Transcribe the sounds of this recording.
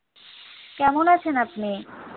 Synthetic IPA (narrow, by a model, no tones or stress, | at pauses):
kɛmonat͡ɕʰenapne